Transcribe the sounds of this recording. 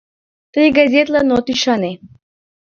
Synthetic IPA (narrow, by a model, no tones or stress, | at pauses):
t̪ɨɡazʲet̪lˠanot̪iʃane